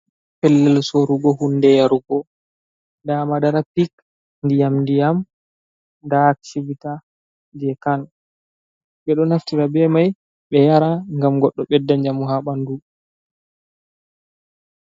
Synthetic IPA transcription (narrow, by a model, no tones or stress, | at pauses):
pɛlːɛlsoɾuɡɔɦundɛjaɾuɡɔ | damadaɾapik | ndijamndijam | daːksivita | d͡ʒɛkan | ɓɛɗɔnaftiɾabɛmaj | ɓɛjaɾaŋɡamɡɔɗːɔɓɛdːaɲd͡ʒamuhaɓandu